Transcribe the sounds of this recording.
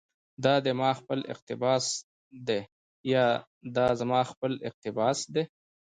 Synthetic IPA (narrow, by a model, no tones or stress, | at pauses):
d̪ɑd̪emɑxpəlɪ̰q̚t̪ɪbɑs | d̪e | jɑ | d̪ɑzamɑxpəlɪ̰q̚t̪ɪbɑsd̪e